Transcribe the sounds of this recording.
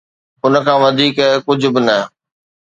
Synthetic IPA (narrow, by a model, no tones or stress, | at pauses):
ʊnə̆kʰãːʋɐd̪ʱiːkkʊd͡ʑ̆ʱbɪnɐ